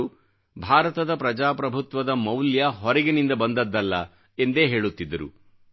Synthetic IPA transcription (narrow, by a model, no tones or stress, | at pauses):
u | bʱaːɾɐt̪ɐd̪ɐpɾɐd͡ʒaːpɾɐbʱut̪ʋɐd̪ɐmɐwljɐɦɔɾɛɡenind̪ɐbɐnd̪ɐd̪ːɐlːɐ̰ | e̞nd̪e̞ːɦe̞ːɭut̪ːid̪ːɐɾṵ